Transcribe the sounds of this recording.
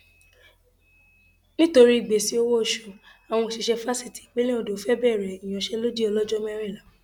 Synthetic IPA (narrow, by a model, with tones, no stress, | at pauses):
nĩ˦to˧ɾi˦i˨ɡ͡be˨si˨˦o˦wo˦˨ʃu˨ | a˨w̃ɔ̃˧˨ʃi˧ʃɛ˧fa˦si˦˨ti̥˨k͡pe˦lĩ˦o˨do˨˦fɛ˦bɛ˦˨ɾɛ˨i˨j̃ɔ̃˨ʃɛ˦lo˦d͡ʒi˦ɔ˧lɔ˦d͡ʒɔ˦m˦ɛ˦ɾ̃ĩ˦˨la˨˦